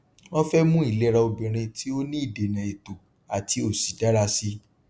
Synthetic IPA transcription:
ɔ̃˦fɛ˦mũ˦i˦˨le˦ɾa˧o˧bĩ˨ɾ̃ĩ˧tʰi˦o˦nĩ˦i˦˨de˨nã˨e˨to˨ | a˨tʰi˨˦o˦˨si˨da˦ɾa˧si˦

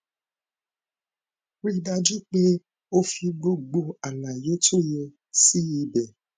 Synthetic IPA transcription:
wi˦da˧d͡ʒi˦k͡pe˦ | o˦fi˧ɡ͡bo˦ɡ͡bo˧a˨na˨jo˦to˦je˧ | si˦ji˧be˨

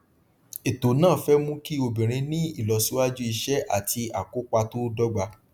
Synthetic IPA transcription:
e˨to˨nãː˦˨fɛ˦mũ˦ki˦o˧bĩ˨ɾ̃ĩ˧nĩ˦i˦˨lɔ˧su˦wa˦d͡ʒu˦i˧ʃɛ˦ʔa̰˨ti˧a˨ko˨˦k͡pa˧to˦dɔ˦ɡ͡ba˧

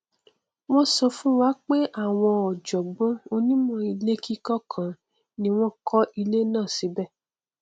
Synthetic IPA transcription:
w̃ɔ̃˦sɔ˧fũ˦wa˨˦k͡pe˦ʔa˦˨w̃ɔ̃˧ɔ˨d͡ʒɔ˨ɡ͡bõ˨˦o˧nĩ˦mɔ̃˧i˧le˦ki˦kɔ˦kʰã˨ | nĩ˧w̃ɔ̃˦kʰɔ˦ʔi˧le˦nãː˦˨si˨˦bɛ˦˨

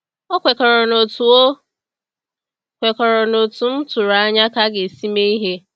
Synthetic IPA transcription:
ɔ˦kʷe˨kɔ˨ɾɔ˨no˨tu˨o˦ | kʷe˨kɔ˨ɾɔ˨no˨tʊ˨n̩˦tʊ˨ɾa˨˦ɲa˦ka˦ɡe˨si˦me˦i˦ɦe˦

